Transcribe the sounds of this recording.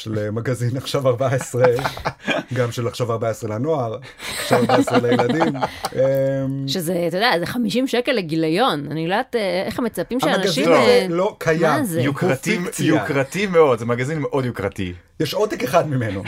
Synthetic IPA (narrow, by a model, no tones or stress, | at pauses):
ʃelemaɡazinaχʃavaʁbaaesʁe | ɡamʃelaχʃavaʁbaaesʁelano̞aʁ | aχʃavaʁbaaesʁelejelad̪imemʃezet̪ojodeazeχamiʃimʃekeleɡilajo̞nanilojdat̪eeχamet͡sapimʃeamanaɡazʃilolokʰajazjukʁat̪imjukʁat̪imeo̞d̪zemaɡazinmeʔo̞d̪jukʁat̪ḭ | jɛʃot̪ekeχad̪mimeno